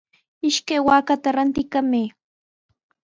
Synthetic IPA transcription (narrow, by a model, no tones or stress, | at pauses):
ɪʃkajwaːkat̪aɾant̪ɪkameː